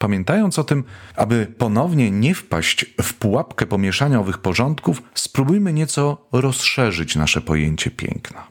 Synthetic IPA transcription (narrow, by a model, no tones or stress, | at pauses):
pamʲjɛnt̪ajɔnt̪sɔt̪ɘmʔabɘpɔnɔvɲɛɲɛfpa̰ɕt͡ɕfpuwapkɛpɔmʲjɛʂaɲaɔvɘxpɔʐɔnt̪kufspɾubujmɘɲɛt̪sɔɾɔsʂɛʐɘt͡ɕna̰ʂɛpɔjḛɲt͡ɕɛpʲjɛ̰ŋknɛ